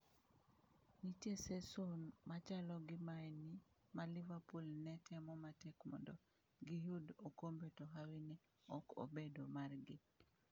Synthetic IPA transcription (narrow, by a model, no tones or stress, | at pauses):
nitjesesonmat͡ʃalɔɡɪmaɛni | malɪvapolnɛtɛmɔmatɛkmɔ̰ndɔ | ɡijudokombetoɦawinɛ | ɔko̰bedomarɡɪ